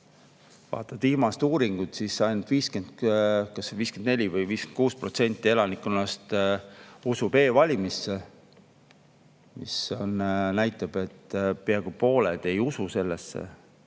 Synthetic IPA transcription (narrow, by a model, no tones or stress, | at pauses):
vɑ̰ːt̪ːˑɑd̪̥ilmɑst̪uːɾiŋɡ̥ut̪sisɑjnult̪viːske̞nd̪kɑsviːske̞nd̪ne̞lʲivɤjviːskenkuːspro̞t̪se̞nʲt̪ːˑielɑnikːˑunɑst̪ | usub̥e̞ːvɑlʲimisːe | mḭso̞nnæjt̪ːˑɑb̥e̞t̪ːpeɑɡ̥upo̞ːled̪̥e̞jususe̞lːesːḛ